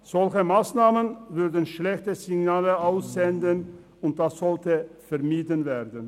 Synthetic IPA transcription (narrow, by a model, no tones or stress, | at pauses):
z̥ɔlçəmaːsnaːmənvʏɐdən̩ʃlɛçtəzɪɡnaːləaʊsz̥ɛndən | ʊnt̚d̥asz̥ɔltəfɛɐmiːdənveːʁdən̩